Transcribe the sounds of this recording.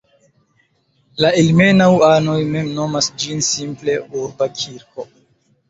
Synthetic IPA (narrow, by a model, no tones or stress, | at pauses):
laelme̞nawano̞jme̞mno̞masd͡ʒinsimple̞uɾbakʲʰiɾko̞